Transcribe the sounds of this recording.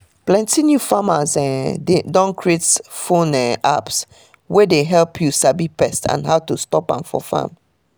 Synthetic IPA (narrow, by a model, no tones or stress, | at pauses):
plɛ̃ntinjufamazɛdɔ̃nkʰɹietfõnɛʔa̰ps | wɛdeɦɛlpʰjusabipɛstã̰nɦaʊtustɔpã̰nfɔ̰fã̰m